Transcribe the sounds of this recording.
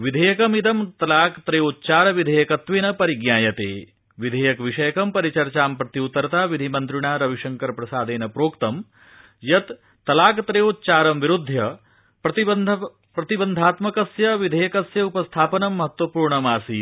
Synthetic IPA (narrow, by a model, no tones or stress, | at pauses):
ʋid̪ʱɐjɐkɐmid̪ɐmt̪ɐlaːkt̪ɾeut̪ːt͡ʃaːɾɐʋid̪ʱejɐkɐt̪ʋenɐpɐɾiɡɲaːjɐt̪eː | ʋid̪ʱeːjɐkʋiʂɐjɐkɐmpɐɾit͡ʃɐɾt͡ʃaːmpɾɐt̪iut̪ːɐɾɐt̪aːʋid̪ʱimɐnt̪ɾiɳaːɾɐʋiʂɐŋkɐɾpɾɐsaːd̪eːnɐpɾoːkt̪ɐm | jɐt̪ː | ɐlaːkɐt̪ɾeːot̪ːt͡ʃaːɾɐmʋiɾud̪ʱːjɐ | pɾɐt̪iɐnd̪ʱɐ | pɾɐt̪ibɐnd̪ʱaːt̪mɐkɐsjɐʋid̪ʱɐjɐkɐsjɐupɐst̪ʰaːpɐnɐmːɐɦɐt̪ʋɐpuːɾɳɐmaːsi